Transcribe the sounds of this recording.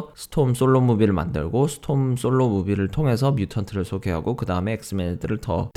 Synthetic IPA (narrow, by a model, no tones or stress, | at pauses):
sʰɯ̥tʰoms͈oɭːomubiɾɯɭma̰ndɯ̰ɭɡosʰɯ̥tʰoms͈oɭːomubiɾɯɭtʰoŋɦe̞s̬ʰʌmjutʰʌntʰɯɾɯɭsʰoɡʰeɦaɡokɯdaɯme̞ːk̚s͈ɯmendʰɯɾɯɭtʰʌ̰t